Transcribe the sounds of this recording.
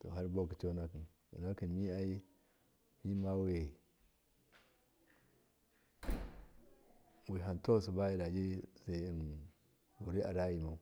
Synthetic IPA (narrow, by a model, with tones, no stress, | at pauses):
to̰˨ɦa˦ɾbo˦ki˨t͡ʃo˦na˦ki˨n | o̰˨na˦ki˨mi˦a˦i˦ | mi˦ma˦we˨ | we˨ɦa˨nto˦˨su˨ba˦i˦ɾa˨d͡ʒi˦sa˦i˨n | wo˨ɾi˦ʔa̰˨ɾa˦ji˨ma˨˦